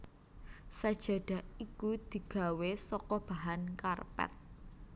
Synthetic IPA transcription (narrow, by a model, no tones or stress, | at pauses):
sad̥ʒ̥a̤ɖ̥a̤ʔikud̪̥i̤ɡ̥a̤wesɔkɔb̥a̤ɦankarpɛ̰t̪̚